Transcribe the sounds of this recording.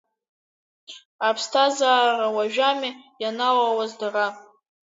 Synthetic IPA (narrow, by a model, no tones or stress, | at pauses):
apʰstʰazaːrawaʒᶣamɪjanawawazdara